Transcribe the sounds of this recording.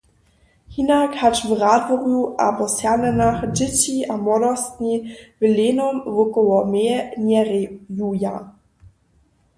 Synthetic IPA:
hinakhat͡ʃvʁaːdvɔʁjuʔa̰bɔsjanɛnaxdɪt͡ɕiʔamɔdɔst̪nivleːnɔmvʊkɔlɔmeɲɛʁjuja

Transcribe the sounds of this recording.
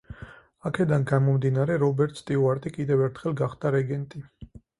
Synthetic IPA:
akʰɛd̪anɡamɔmd̪inaɾɛɾɔbɛɾt̪ʰst̪ʼiuaɾt̪ʼikʼid̪ɛvɛɾt̪ʰχɛlˠɡaχd̪aɾɛɡɛnt̪ʼi

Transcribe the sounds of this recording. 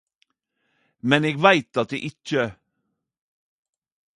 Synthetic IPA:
mɛneːɡʋæɪt̪ɑt̪̚d̪ḛːʔɪçə

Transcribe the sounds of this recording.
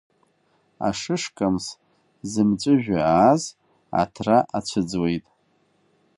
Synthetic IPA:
a̰ʂɨʂkʼams | zɨmt͡ʃʷʼɨʒᶣaaːz | a̰tʰraʔat͡ɕʷʰɨd͡zwe̞jtʼ

